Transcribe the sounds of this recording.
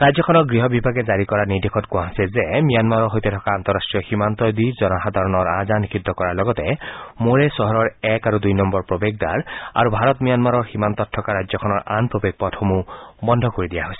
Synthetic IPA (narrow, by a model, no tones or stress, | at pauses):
ɹajzɔkʰɔnɔɡɹiɦɔbibaɡɛzaɹikɔɹanidikʰɔtkʊaɦasɛzɛmijanmaɹɔɹɦojtɛtʰɔkaant̪ɔɹasʈɹijɔximant̪ɔdizɔnɔxad̪ʱaɹɔnɔɹa̰zanikʰid̪ʱːɔkɔɹaɹlɔɡɔtɛmoɹɛsɔɦɔɹɔɹɛkaɹudujnɔmbɔɹpɹobeɡ̚da̰ɹa̰ɹubʱaɹɔtmijanmaɹɔɹximant̪ɔtʰːɔkaɹazɔkʰɔnɔɹʔa̰npɹobeɡ̚pɔtxomubɔndʱɔkoɹidijaɦojsɛ̥